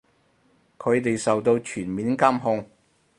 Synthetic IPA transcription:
kʰɵ˨˧ɥt̪e˨jsɐ˨wt̪o˧wt͡ʃʰyː˨˩nmiː˨˥nkaː˥mɦʊ˧ŋ

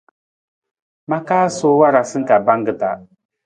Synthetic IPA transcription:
ma˦kaː˦so˦wa˦ɾa˨sɨ˦ŋ̩˦ka˨ba˦ŋɡɨ˨ta̰˨

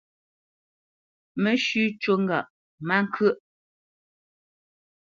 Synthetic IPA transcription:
mə˨˦ʃʉ˦t͡ʃo˦ŋɡa̰˨ʔ | ma˦ŋ˦kʰə˦˨ʔ

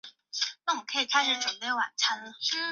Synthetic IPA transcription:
na˥˩wɔ˨˩kʰə˧˥i˨˩k̪ʰa˥˧ɪʂɻ̩˧˥ʈ͡ʂə˨˩npe˥˩ɪwa̰˨˩nt͡sʰa˧˥nlə˨

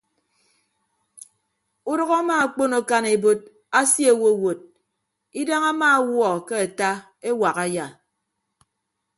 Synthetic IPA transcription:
u˦dɔ˦ɣa˦maː˦˨k͡po˦no˨ka˦ne˨bo˦t̚ | a˦sje˦˨wo˦˨wo˨t̚ | i˦da˦ŋa˦maː˦wɔ˨ke˦a˨ta˦ | e˦wa˨ɣa˨ja˨

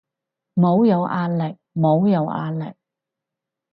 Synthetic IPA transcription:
mo˨˧wjɐ˨˧wʔaː˧nlɪ˨k̚mo˨˧wjɐ˨˧wʔa̰ː˧˥nlɪ̰˨k̚

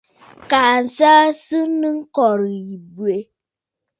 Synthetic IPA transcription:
ka˨n̩˨sa˦sɨ˦nɨ˦ŋ̩˦kɔ˨ɾɨ˨ji˨bu˨e˨

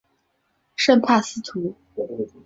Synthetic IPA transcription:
ʂə˥˧npʰa˥˩sɹ̩˥t̪ʰu˧˥

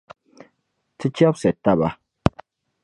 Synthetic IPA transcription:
tɨ˦t͡ʃjɔ˦psɛ˨ta˦ba˦

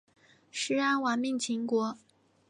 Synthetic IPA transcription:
ʂɻ̩˧˥a˥nwa˨˧˥nmi˥˩ŋt͡ɕʰi˧˥ŋkwɔ˧˥

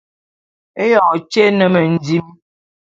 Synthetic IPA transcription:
e˦jɔ˨t͡ʃe˦nə˨mə˨n̩˨˦di˦m

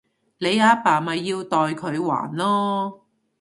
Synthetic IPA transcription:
le˨˧jaː˨˥paː˨˩mɐ˨jːiː˧wt̪ɔː˨jkʰɵ˨˧ɥwa̰ː˨˩nlɔː˥

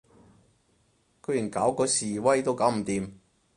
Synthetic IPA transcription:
kʰɵ˨˧jy˨˩nkaː˨˥wkɔː˧siː˨wɐ˥jt̪o˥wkaː˨˥wm̩˨˩t̪iː˨m

